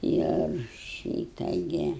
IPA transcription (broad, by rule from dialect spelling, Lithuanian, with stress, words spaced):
ɪr ˈʃʲiːtɐ ˈɡʲɪ